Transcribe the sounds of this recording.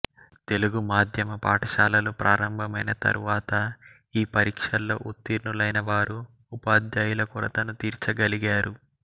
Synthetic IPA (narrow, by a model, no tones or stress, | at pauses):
t̪e̞luɡumaːd̪ʱjɐmɐpa̰ːʈɐʃaːlɐlupɾʔaːɾɐmbʱɐmɐjnɐt̪ɐ̰ɾuʋaːt̪ɐ | iːpɐɾiːkʂɐlːo̞̰ːʔut̪ːiːɾnulɐjnɐʋaːɾuː | paːd̪jɐjulɐkuɾɐt̪ɐnut̪iːɾt͡ʃɐɡɐliɡaːɾu